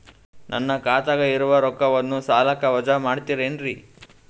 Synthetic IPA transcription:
nʔɐ̰nːɐkaːt̪ɐɡɐiɾuʋɐɾɔkːɐʋɐnːusaːlɐkːɐʋɐd͡ʒɐmaːɽt̪iɾeːɳɖɾi

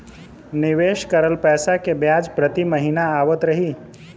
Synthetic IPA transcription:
nɪʋeːʃkəɾəlpɛːsakebjaːd͡ʒpɾət̪iməɦinaaːʋət̪ɾɐɦiː

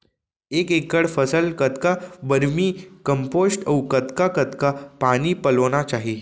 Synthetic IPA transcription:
ekekːəɽfəsəlkət̪kabəɾmiːkəmposʈəwkət̪kakət̪kapañiːpəlonat͡ʃaɦi

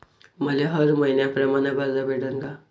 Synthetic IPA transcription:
məleɦəɾməinjapɾəmanabad͡zabeɽəŋɡa

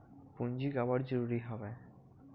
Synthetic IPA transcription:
pund͡ʑiɡabaɾd͡ʑoɾuɾiɦɔbe

